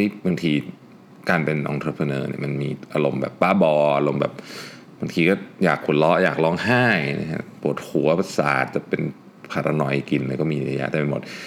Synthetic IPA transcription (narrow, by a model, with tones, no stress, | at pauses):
a˥˩jba˧ŋt̪ʰiː˧ | kaː˧npe˧nʔɔ̰˧ŋt̪ʰɤː˧pʰə˧nɤː˧nḭ˧˩ɐma˧nmiː˧ʔaː˧lo˧mbɛ̰ː˨˩pːaː˥˩bɔː˧ʔa˧lo˧mbɛ̰ː˨˩p̚ | ba˧ŋt̪ʰiː˧kɔː˥˩jaː˨˩kʰːu˨˩˦lɔ˦˥ʔjaː˨˩k̚lɔː˦˥˩ŋhaː˥˩jna̰˧˥kʰa̰˦˥pu˨˩ət̪̚hʰu˨˩˦ɐ˨˩sa̰ː˨˩t̪̚t͡ɕa˨˩pe˧n | pʰa˨˩t̪a˧nɔ˧jki˧nlɤː˧jkɔː˥˩miː˧ʔla˧ja̰˦˥ʔt̪ɛː˨˩me˧˩mo˨˩t̪̚